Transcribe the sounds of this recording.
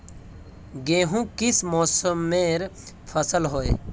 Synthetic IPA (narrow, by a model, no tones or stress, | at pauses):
ɡeːɦũkɪsmɔːsəmːeɾ | pʰəsəlɦoːe